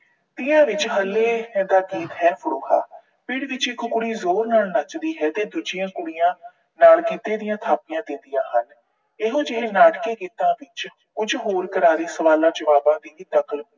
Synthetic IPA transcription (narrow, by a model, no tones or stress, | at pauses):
t̪ɪãːʋɪt͡ʃɦəlːeːd̪aːɡiːt̪ɦɛːpʰəɽoːha̰ː | pɪɽʋɪt͡ʃɪkʊkʊɽiːzoːɾnaːlnat͡ʃd̪iːɦɛːt̪eːd̪ʊd͡ʒɪãːkʊɽijãː | naːlkit̪eːd̪ɪjãːt̪ʰaːpɪjãːd̪ɪnd̪ɪjãːɦən | ɪɦõːd͡ʒɪɦeːnaːʈkeːkiːt̪ãːʋɪt͡ʃ | ʊd͡ʒɦoːɾkəɾaːɾiːsəʋaːlãːd͡ʒəʋaːbãːd̪iːt̪əkəli